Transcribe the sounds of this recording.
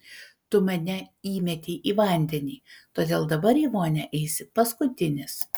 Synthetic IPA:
t̪ʊmʲɛnʲɛiːmʲɛt̪ʲiːʔiːʋɐnʲd̪ʲɛnʲiːt̪oːd̪ʲeːlˠd̪ɐbɐɾiːʋoːnʲɛʔɛɪsʲɪpɐskʊt̪ʲɪnʲɪs

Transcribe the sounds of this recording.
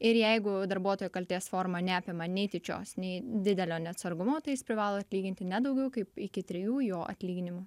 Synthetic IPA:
ɪɾjɛɪɡʊd̪ɐɾbuɔt̪oːjʊkɐlʲt̪ʲeːsfoːɾmɐnʲæːpʲɪmɐnʲɛɪt̪ʲɪt͡ʃʲo̰ːsnʲɛɪd̪ʲɪd̪ʲɛlʲoːnʲɛɐt̪sɐɾɡʊmoːt̪ɐɪjɪspʲɾʲɪʋɑːlˠoːɐt̪ʲlʲiːɡʲɪnʲt̪ʲɪnʲɛd̪ɐʊɡʲɛʊkɐɪpɪkʲɪt̪ʲɾʲɛjuːjoːʔɐ̰t̪ʲlʲiːɡʲɪnʲɪmʊ

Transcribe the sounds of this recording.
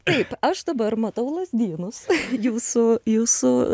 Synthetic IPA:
t̪ɐɪpɐʃd̪ɐbɐɾmɐt̪ɐʊlˠɐzʲd̪ʲiːnʊsjuːsʊjuːsʊ

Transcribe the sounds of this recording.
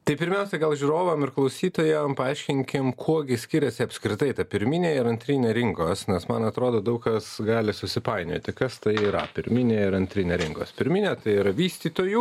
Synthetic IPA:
t̪ɐɪpʲɪɾʲmʲɛʊsʲɛɡɐlˠʒʲuɾoːʋɐmɪɾklˠɐʊsʲiːt̪oːjɛmpɐɐɪʃʲkʲɪŋʲkʲɪmkʰuɔɡʲɪsʲkʲɪɾʲɛsʲɪɐpʲsʲkɾʲɪt̪ɐɪt̪ɐpʲɪɾʲmʲɪnʲeːɪɾɐnʲt̪ʲɾʲiːnʲeːɾʲɪŋkoːsnʲɛsmɐnɐt̪ɾoːd̪oːd̪ɐʊkkɐsɡɑːlʲɪsʊsʲɪpɐɪnʲo̰ːt̪ʲɪkɐst̪ɐɪiːɾɐ̰pʲɪɾʲmʲɪnʲeːɪɾɐnʲt̪ʲɾʲinʲeːɾʲɪŋkoːspʲɪɾʲmʲɪnʲɛt̪ɐɪiɾɐʋʲiːsʲt̪ʲiːt̪oːju

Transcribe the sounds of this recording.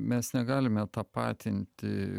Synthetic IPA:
mʲɛsnʲɛɡɑːlʲɪmʲɛt̪ɑpɑ̰ːt̪ʲɪnʲt̪ʲɪ

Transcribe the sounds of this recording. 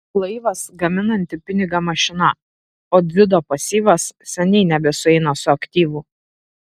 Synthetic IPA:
lˠɐɪʋɐsɡɐmʲɪnɐnʲt̪ʲɪpʲɪnʲɪɡɐmɐʃʲɪnɐ | oːd̪ʲʋʲɪd̪oːpɐsʲiːʋɐssʲɛnʲɛɪnʲɛbʲɛsʊɛɪnɐsʊɐkt̪ʲiːʋʊː

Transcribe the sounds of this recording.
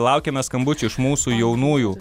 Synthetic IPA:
lˠɐʊkʲɛmʲɛskɐmbʊt͡ʃʲʊɪʃmuːsuːjɛʊnuːjuː

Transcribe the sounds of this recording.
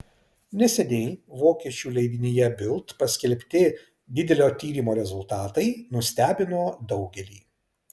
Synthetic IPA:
nʲɛsʲɛd̪ʲeːjʋoːkʲɛt͡ʃʲuːlʲɛɪd̪ʲɪnʲeːjɛbʲɪlˠt̪pɐsʲkʲɛlʲpʲt̪ʲɪ | d̪ʲɪd̪ʲɛlʲoːt̪ʲiːɾʲiːmoːɾʲɛzʊlˠt̪ɑːt̪ɐɪnʊsʲt̪ʲæːbʲɪnoːd̪ɒʊɡʲɛlʲiː

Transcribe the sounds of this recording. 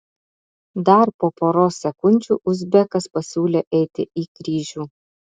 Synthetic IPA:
d̪ɐɾpoːpoːɾoːsʲɛkʊnʲt͡ʃʲṵːʔʊzʲbʲɛkɐspɐsʲuːlʲeːʔɛɪt̪ʲɪiːkɾʲiːʒʲuː

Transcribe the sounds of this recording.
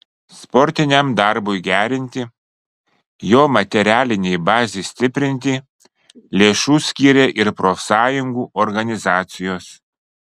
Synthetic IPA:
spɔɾʲt̪ʲɪnʲɛmd̪ɑɾbʊɪɡʲæːɾʲɪnʲt̪ʲɪ | joːmɐt̪ʲɛɾʲæːlʲɪnʲɛjbɑːzʲeɪsʲt̪ʲɪpʲɾʲɪnʲt̪ʲɪ | lʲeːʃuːsʲkʲiːɾʲeːʔɪɾpɾofsɑːjʊŋɡuːʔɔɾɡɐnʲɪzɑːt̪sʲɪjoːs

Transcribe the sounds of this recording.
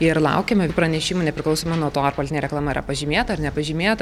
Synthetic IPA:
ɪɾlˠɐ̰ʊkʲeːmʲɐpɾɐnʲɛʃʲiːmunʲɛpʲɾʲɪklˠɐʊsoːmɐnuɔt̪oːɐrpolʲɪt̪ʲnʲeːɾʲɛklˠɑːmɐiɾɐ̰pɐʒʲiːmʲeːt̪ɐɐɾnʲɛpɐʒʲiːmʲeːt̪ɐ

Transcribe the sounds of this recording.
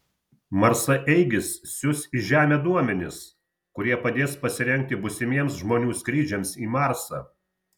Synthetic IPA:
mɐɾsɐʔɛɪɡʲɪsːʲʊsʲiʒʲæːmʲed̪uɔmʲɛnʲɪs | kʊɾʲiɛpɐd̪ʲeːspɐsʲɪɾʲɛŋʲk̚t̪ʲɪbʊsʲɪmʲiɛms̬ʒmoːnʲuːskɾʲiːd͡ʒʲɛmsiːmɑˑɾsɑ̰ː

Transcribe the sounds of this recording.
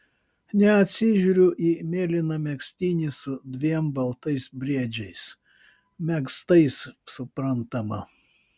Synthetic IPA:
nʲɛɐt̪ʲsʲɪʒʲuːɾʲʊʔiːmʲeːlʲɪnɐmʲɛksʲt̪ʲiːnʲɪsʊd̪ʲʋʲiɛmbɐlˠt̪ɐɪsbʲɾʲiɛd͡ʒʲɛɪs | mʲɛkst̪ɐɪssʊpɾɐnt̪ɐmɐ

